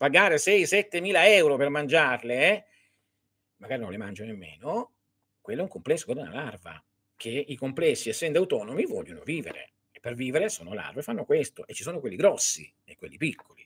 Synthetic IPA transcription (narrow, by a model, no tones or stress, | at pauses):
paɡaːɾesɛjsɛt̪ːemiːlaɛwɾopermand͡ʒarleɛ | maɡaːɾinõnlemand͡ʒonemːḛːno | kwelːɛuŋkomplɛsːokwɔrd̪ana̰larva̰ | k̟eikomplɛsːiɛsːɛnd̪oawt̪ɔːnomivɔ̰ʎːono̰viːvḛɾḛ | epːerviːveɾesoːnola̰rvefanːokwest̪o̰ʔet͡ʃːi̥soːnokwelːiɡɾɔsːḭ | ekwḛlːipikʰːoli